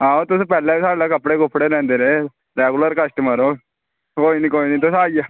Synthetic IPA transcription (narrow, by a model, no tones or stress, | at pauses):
ɦãːot̪uspɛːlabisaːɽlakəpɽeɡopʰɽenɛ̃ːnd̪eɾe | ɾeɡuləɾkəsʈəməɾo | koːinikoːiniːt̪osaːia